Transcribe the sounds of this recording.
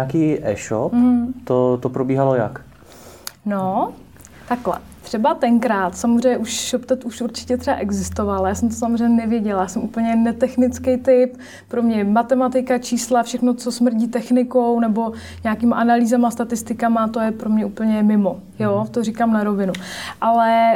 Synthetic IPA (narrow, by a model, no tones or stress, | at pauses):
aːkiːʔɛ̰ːʃopm̩t̪ot̪opɾobiːɦaloja̰k | no | t̪aklɛ̰ | t̪r̥ɛbat̪ɛŋkɾaːt̪samozrɛjɲɛʔuʃʃopt̪ɛt̪uʃuɾt͡ʃɪ̥cɛt̪r̥ɛa̰ʔɛɡzɪst̪ovaljaːsɛmt̪̬osamozrɛjɲɛnɛvjɛɟɛlajaːsɛmʔupl̩ɲɛnɛt̪ɛxnɪt͡skɛjt̪ɪp | pɾomɲɛmat̪ɛmat̪ɪkat͡ʃiːslafʃɛxno̞t͡sosmr̩ɟiːt̪ɛxnɪkownɛbo̞ | ɲaakiːmaʔanaliːzamast̪at̪ɪst̪ɪkamat̪ojɛpɾomɲɛʔuːpl̩ɲɛmɪmo̞ | joːt̪orikamnaɾovɪnuʔalɛ